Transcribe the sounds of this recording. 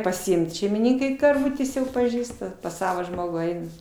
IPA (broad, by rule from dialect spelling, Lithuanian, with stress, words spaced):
pɐsʲɪˈɪmt ʃʲɛɪmʲɪˈnʲiːkɐɪ kɐrˈʋʊtʲeːs jɛʊ pɐˈʒʲiːstɐ pɐs ˈsɑːʋoː ˈʒmoːɡuː ˈɐɪnɐ